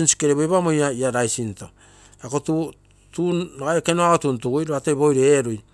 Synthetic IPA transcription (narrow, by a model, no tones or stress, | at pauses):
insi̥keɾeβoβamojaiaɾajsinto̰ | akotu | tuaɡajekenoaotuntuɡujɾoatejbojɾeɾuj